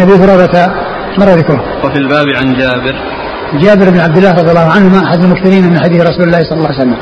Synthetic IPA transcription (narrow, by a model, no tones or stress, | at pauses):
ʔabiːθʊɾˤɑːɾˤɑt̪a | mɑrˤːɑðɪkɾʊhʊmwafilbaːbʕand͡ʒaːbɪɾ | d͡ʒaːbɪɾbnʕab̚d̪ɪlːaːhɾˤɑd̪ˤjalːɑːhʊʕanhʊmaʔaħad̪almʊkθɪɾiːnamɪnħad̪iːθɾˤɑsuːlɪlːaːhsˤɑlːɑlːɑːwjɪsalːam